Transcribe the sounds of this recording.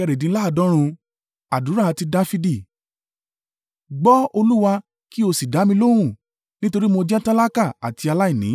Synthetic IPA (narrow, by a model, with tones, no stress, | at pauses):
ɛ˧ɾe˨dĩ˨˦la˦˧˨dɔ̃˦ɾ̃ũ˧ | a˨du˨˦ɾa˦˨a˧ti˧da˧˦fi˧di˦˨ | ɡ͡bɔ˦o˧lu˦wa˧ | ki˦o˧si˨da˨˦mĩ˧lo˦ɾ̃ũ˦˨ | nĩ˦to˧ɾi˦mo˧d͡ʒɛ˦ta˦la˦ka˦˨a̰˨ti˧a˧la˦i˦˨nĩ˨˦